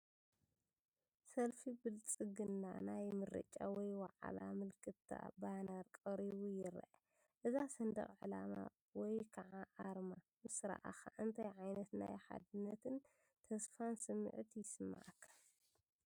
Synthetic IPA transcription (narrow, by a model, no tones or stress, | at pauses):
sɐlfibɨlt͡sʼɨɡɨnːa̰najmɨɾɐ̰t͡ʃʼawɔjwaʕa̰lamɨlkʰɨt̪ʰːa̰banaɾkʼɐɾiwujɪɾʔa | ʔɨzasɐnd̪ɐ̰χʼʕɨlama̰ | wɔjkʰɐʕaʔaɾma | mɨsɨɾa̰ʔa̰xaʔɨnt̪ʰɐjʕajnɐt̪na̰jħa̰d̪ɨnːɐt̪ʰɨn | t̪ʰɐsfansɨmːɨ̰ʕt̪ʰijɪsɨmːa̰ʕakʰːɐl